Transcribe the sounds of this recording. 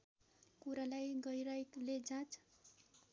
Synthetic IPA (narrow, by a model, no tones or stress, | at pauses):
kuɾalajɡʌjɾʌkled͡zãt͡s